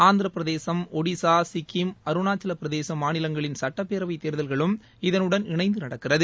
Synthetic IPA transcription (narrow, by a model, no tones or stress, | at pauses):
aːnd̪ɪɾɐpːɪɾɐðeːsɐmɔɽisaːsɪkːɪmɐɾɯnaːt͡ʃːɐlɐpːɪɾɐðeːsɐmaːnɪlɐŋɡɐɭɪnsɐʈːɐpːeːɾɐʋɐɪt̪ːeːɾɯðɐlɣɐɭɯm | ɪðɐnɯɽɐnɪɳɐɪnd̪ɯnɐɽɐkːɪrɐðɯ